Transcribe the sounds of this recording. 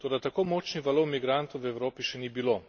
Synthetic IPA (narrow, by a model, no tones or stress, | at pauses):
t̪oːd̪at̪akoːmɔːt͡ʃniʋalowmiɡɾant̪owʋɛwɾoːpiʃɛnibiloː